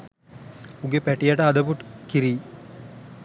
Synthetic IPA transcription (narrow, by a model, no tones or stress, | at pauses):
uɡepæʈijaʈəɐd̪ɐpuʈkiɾiː